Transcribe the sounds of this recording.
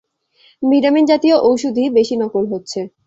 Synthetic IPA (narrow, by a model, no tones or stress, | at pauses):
miɾamind͡ʑat̪ijoʔowʃud̪ʱibeʃinɔkolɦotːɕʰe